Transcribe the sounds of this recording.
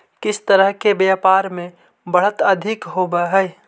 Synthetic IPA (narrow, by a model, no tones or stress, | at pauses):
kɪst̪əɾəɦkebjaːpaːɾmẽ | bəɽ̤ət̪ɐd̪ʱɪkɦoːbaɦɛj